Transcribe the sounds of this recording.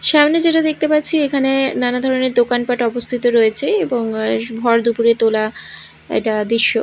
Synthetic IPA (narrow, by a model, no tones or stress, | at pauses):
ʃamned͡ʑeʈad̪ek̚ʰt̪epatːt͡ɕʰiekʰanenanad̪ʱɔɾoneɾd̪okanpaʈɔbost̪ʰit̪oɾoet͡ɕʰeeboŋbʱɔɾd̪upuɾet̪ola | ɛ̰kʈad̪ɾiʃːo